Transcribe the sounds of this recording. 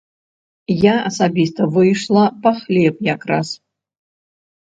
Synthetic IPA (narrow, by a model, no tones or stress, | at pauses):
jaɐsabʲist̪ɐvɨjʂlˠɐpaxlʲep̚jakras